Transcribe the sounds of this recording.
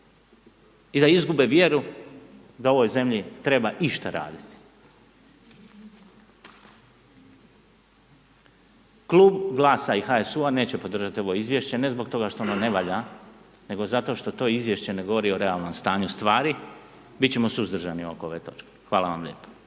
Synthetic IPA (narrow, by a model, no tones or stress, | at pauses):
id̪aizɡube̞ʋje̞ɾu | d̪ao̞ʋo̞jze̞mʎit̪ɾe̞baʔiʃt̪aɾa̰ːd̪it̪i̥ | klˠuːbɡlˠaːsaixaesuane̞ːt͡ɕe̞po̞d̪r̩ʒat̪io̞ʋo̞izʋje̞ʃt͡ɕe̞ne̞zbo̞kt̪o̞ɡaʃt̪oonone̞ʋaʎa | ne̞ɡo̞zat̪o̞ʃt̪o̞t̪o̞ːizʋje̞ʃt͡ɕe̞ne̞ɡo̞ʋo̞ɾio̞ɾe̞alˠno̞mst̪aːɲust̪ʋaːɾi | bitt͡ɕe̞mo̞suzd̪r̩ʒaniuokoo̞ʋe̞̰t̪o̞t͡ʃke̥xʋaːlˠaʋa̰mlʎe̞ːpo̥